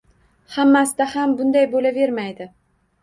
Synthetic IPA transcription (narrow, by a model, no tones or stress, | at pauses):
hamːasd̪ahambʊnd̪ajbolave̞ɾmajd̪ɪ